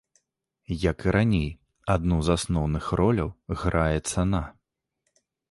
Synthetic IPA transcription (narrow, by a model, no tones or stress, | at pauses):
jɐkɨɾʔanʲej | ad̪nuzasnɔwnɨxrɔlʲɐwɣɾajɛt̪sana